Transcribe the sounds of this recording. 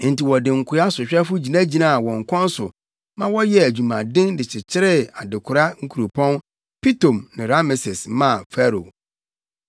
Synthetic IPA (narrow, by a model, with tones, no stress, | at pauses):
n̩˨ti˨wɔ˨dɪ̃˨ŋ̩˨kʰʊ˨˦a˦sʊ˨ɕᶣɛ˦fʊ˦d͡ʑi˨nã˦d͡ʑi˨nã˦˨a˨wɔ̃˨ŋ̩˨kʰʷɔ̃˦n˦sʊ̰˨ | mã˦wɔ˦jɛ˦æ˨d͡ʑu˨mã˨dɪ̃˦ndɪ˨t͡ɕʰɪ˨t͡ɕʰɪ˦ɾɪ˦a˨dɪ˨kʰʊ˨ɾa˦ŋ̩˦kʰu˨ɾo˨pʰɔ̃˦n | pʰi˦tõ˨mnɪ̃˨ɾa˦mɪ˨sɪ˨smã˦˨fɛ˦ɾo̰˨